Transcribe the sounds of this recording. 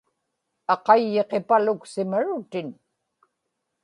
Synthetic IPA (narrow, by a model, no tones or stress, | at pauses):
ɑqɑjːe̞qepalʊksɪmaɻʊt̪ɪn